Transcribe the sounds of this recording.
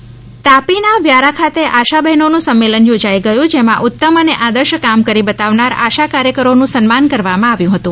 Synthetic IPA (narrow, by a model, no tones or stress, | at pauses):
t̪apinaʋjaɾakʰat̪eʔaʃabəɦnonũsəmːelənjod͡ʒajɡəjũd͡ʒemãʔʊt̪ːəməneʔad̪əɾʃəkamkəɾibət̪aʋnaɾaʃakaɾjəkəɾonũsənmankəɾʋamãaʋjũɦət̪ũ